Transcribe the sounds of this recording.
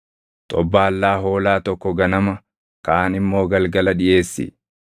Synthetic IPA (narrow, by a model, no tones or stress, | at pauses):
t̪ʼɔbːaːlːaːɦo̞ːlaːt̪ɔkːɔɡɐnɐmɐ | kaːnɪmːo̞ːɡɐlɡɐlɐɗɪʔe̞ːsːɪ̰